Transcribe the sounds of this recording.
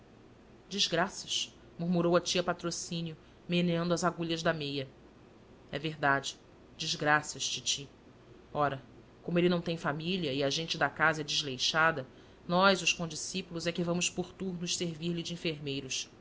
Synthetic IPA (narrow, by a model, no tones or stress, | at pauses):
d͡ʒiʒɡɾasɐʃ | muɾmuɾowɐt͡ʃiɐpat̪ɾosĩniʊ | menɐ̃nd̪ʊɐzaɡuʎɐʒd̪ɐmejɐ | ɛ̰veɦd̪ad͡ʒɪ | d͡ʒiʒɡɾasɐʃt͡ʃit͡ʃi | ɔɾɐ | kõmʊelɪnɐ̃w̃t̪ẽj̃familiɐiɐʒẽnt͡ʃɪd̪ɐkazɐɛd͡ʒɪzlejʃad̪ɐ | nɔjzʊʃkõd͡ʒisipulʊzɛkɪvɐ̃mʊʃpoɾt̪uɾnʊʃseɾviɾlɪd͡ʒɪĩfeɾmejɾʊʃ